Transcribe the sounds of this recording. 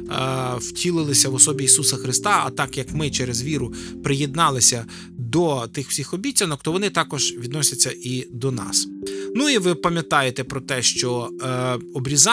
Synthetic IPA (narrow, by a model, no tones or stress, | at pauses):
wtʲʰilˠɪlˠɪsʲɐʋɔsɔbʲiːsusɐxɾɪst̪ɑɐt̪ɑkjɐkmɪt͡ʃɛɾezʋʲiɾʊpɾɪjed̪̚nɑlˠɪsʲɐ | d̪ɔt̪ɪxw̥sʲixɔbʲitʲːɐnɔkt̪ɔʋɔnɪt̪ɑkɔʒ̥ʋʲid̪nɔsʲɐt͡sʲːɐʔid̪ɔnɑ̰snuiʋɪpɐmʲjɐt̪ɑjet̪epɾɔt̪ɛʃt͡ʃɔ | ɔbɾʲizɑ